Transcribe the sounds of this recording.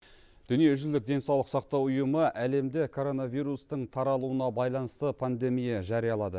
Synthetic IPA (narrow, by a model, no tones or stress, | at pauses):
d̪̥ʏnije̞ʏʒʏld̪ɪk̚d̪e̞nsɑwlˠəqsɑq̚t̪ɑwʊjəməʔæle̞md̪ɪkʰo̞ɾo̞naviɾust̪əɴt̪ʰɑɾɑlˠuənɑbɑjlˠɑnəst̪əpʰand̪e̞mijɑʒɑɾijɑlˠɑd̪ə